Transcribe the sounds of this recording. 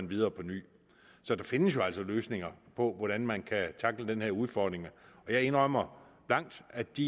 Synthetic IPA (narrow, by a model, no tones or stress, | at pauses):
ænʋið̞ˠɐːpʰɒ̽ny̰ː | sɒ̽d̥ɑ̈fe̝nəsjo̝æl̰sɒ̽løːsne̝ŋɐpʰɒ̽ʋɒɾ̥ænmænkʰæt͡sʰɑ̈ɡ̥ləd̥enheɐuð̞ˠfɒːd̥ʁeŋəɒ̽jɑ̈ɪe̝nʁɒmɐb̥lɑ̈ŋ̰d̥æd̥i